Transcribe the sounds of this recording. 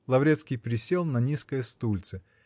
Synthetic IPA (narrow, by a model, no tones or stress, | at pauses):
lˠɐvɾʲet̪skʲɪjpɾʲɪsʲelˠnɐnʲiskəjəst̪ulʲt̪sɨ